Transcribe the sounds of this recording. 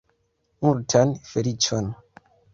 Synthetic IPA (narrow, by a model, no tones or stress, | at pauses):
muɾtʰanfeɾit͡ʃon